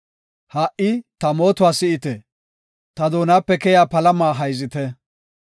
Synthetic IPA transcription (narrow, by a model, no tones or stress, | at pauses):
haʔɪt̪ɐmo̞ːt̪ʊwaːsɪʔɪt̪ɛ | t̪ɐd̪oːnaːpːɛkɛjaːpɐlɐmaːɦɐjzɪt̪ɛ